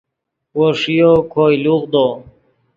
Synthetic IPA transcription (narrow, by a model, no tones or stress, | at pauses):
oɾʂijokʰojluqd̪oː